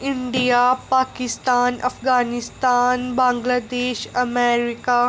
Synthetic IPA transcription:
ɪɳɖijapaːkɪst̪aːnɐ̰fɡaːnɪst̪aːnbãːŋɡlaːd̪eːʃɐmeːɾɪka

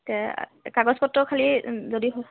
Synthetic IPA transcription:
kɛ̰kaɡɔspɔtːɔkʰalizodiɦ

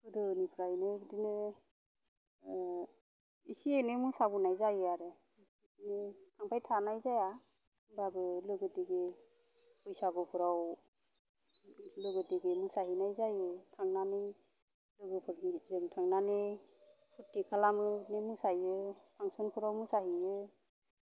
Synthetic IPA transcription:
kɯdɯnipʰɯɾajnɯbɯdinɯ | isienɯmusabunajzajɯaɾɯ | dinɯtʰaŋpʰajtʰanajzaja | babɯlɯɡɯdiɡe | pɔjsaɡɔpʰɯɾaw | lɯɡɯtiɡemusaɦinajzajɯtʰaŋnane | lɯɡɯpʰɯɾzɯŋtʰaŋnane | pʰutikʰalamɯnemusajɯtʰaŋsɔnpʰɯɾawmusaɦijɯ

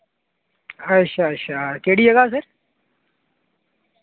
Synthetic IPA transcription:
ɐʃʰaɐʃʰakeːɽijɐɡaːs̬ɐɾ

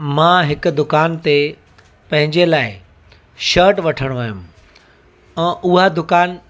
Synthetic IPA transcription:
mãɦɪkʊ̆d̪ʊkaːnt̪e | pɐ̃ɦɪ̃ɲd͡ʑelaːɪ | ʃəːɾʈʋɐʈʰəɽ̃ʋaːjʊ̃m | ɛ̃ːʔʊɦad̪ʊkaːn

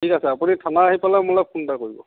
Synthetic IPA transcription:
tʰikasɛapunitʰanaːɦipalamulap̚xundakoɹibɔ̰

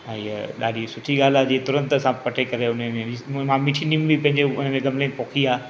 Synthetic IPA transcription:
ɛ̃ːɗa̰ːɗisʊʈʰiɠaːl̤aːd͡ʑiːet̪ʊɾə̃nt̪əsãpɐʈʰekɐɾeʊnəmẽimãmɪʈʰinimbipɐ̃ɦɪ̃ɲd͡ʑeʊn̤əmẽɡɐmlẽpoːkʰiaː

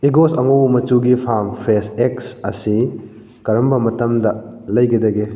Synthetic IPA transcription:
iɡosɐŋowmɐt͡ʃuɡipʰampʰɾeseksɐ̰si | kɐɾɐmbɐmɐtɐmdɐlɐjɡedɐɡe

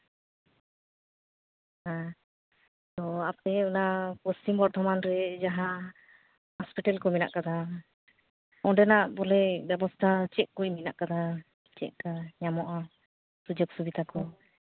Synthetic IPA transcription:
hã | t̪ɔap̚t̪ɛunakɔsʈimbɔɾt̪ʰɔmanɾɛd͡ʒaɦã | hɔspiʈɛlkɔmina̰ʔkad̪a | ɔ̃ɖɛnaʔbɔlɛbɛbɔst̪ʰat͡ʃɛʔ̚kujmit̪̚na̰ʔkad̪a | t͡ʃɛ̰ʔ̚kaɲamɔʔa | sud͡ʒɔk̚subid̪ʱakɔ

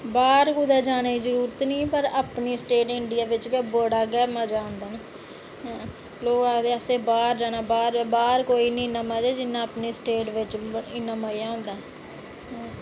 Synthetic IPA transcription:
baːɾkʊd̪ɛːd͡ʒaːneːd͡ʒəɾuːɾət̪nĩːpəɾaːpniːsʈeːʈɪɳɖɪjaːʋɪt͡ʃkəboːɽaːɡɛːmaːd͡ʒaːɦʊ̃nd̪aːna | ɦɛ̃ː | loːkaːɡd̪eːəsẽːbaːɾd͡ʒaːnãːbaːɾbaːɾkoːiːnĩːnãːmãːd͡ʒaːd͡ʒɪnːãːəpniːsʈeːʈʋɪt͡ʃɪnːãːmaːijaːɦʊ̃ːnd̪aː | ɦɛ̃ː

